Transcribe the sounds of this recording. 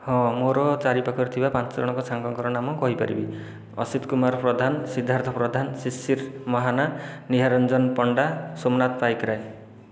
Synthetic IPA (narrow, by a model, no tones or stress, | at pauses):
hɔ̃moɾɔt͡ʃaɾipakʰɔɾt̪ʰibapant͡ʃɔɾɔɽ̃ɔŋkɔt͡ʃʰaŋkɔŋkɔɾɔnamɔkɔɦipa̰ɾḭbḭ | ɔ̰sid̪kumaɾɔpɾɔd̪ʱansid̪ʱːaɾt̪ʰɔpɾɔd̪ʱansisiɾmɔɦananiɦaɾɔnd͡ʒɔnpɔɳɖasomnat̪pajkɾaj